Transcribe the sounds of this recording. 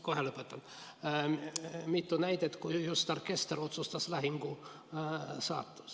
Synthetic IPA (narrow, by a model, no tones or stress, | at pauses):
koheləpːˑet̪ːɑn | mit̪ːunæjt̪et̪kujust̪ɑrkest̪rot̪sust̪ɑslæhiŋɡ̥u | sɑ̰ːt̪ːu̥